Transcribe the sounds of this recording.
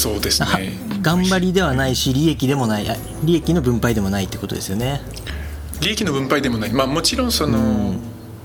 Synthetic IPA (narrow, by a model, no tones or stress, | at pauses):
so̞ːd̪esɨnae | ɡãmbaɾʲid̪e̞β̞anaiɕiɾʲie̞kʲid̪e̞mo̞naiʔa | ɾʲie̞kʲino̞bɯ̟̃mpaid̪e̞mo̞nait̪ːekot̪o̰d̪e̞sɨjone̞ | ɾʲiekʲino̞bɯ̟̃mpaid̪e̞mo̞naimaːmo̞t͡ɕiɾõ̞ɰ̃so̞no